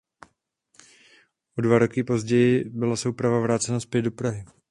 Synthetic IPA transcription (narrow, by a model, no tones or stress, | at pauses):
ʔodvaɾo̞kɪpo̞zɟɛjɪbɪlasoupɾavavɾaːt͡sɛnaspjɛd̚dopɾaɦɪ